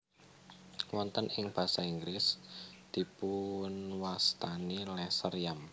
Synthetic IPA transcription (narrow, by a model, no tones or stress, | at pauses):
wɔnt̪ənɪŋb̥ä̤saiŋɡɾɪsd̪̥i̤punwast̪anilɛsərjam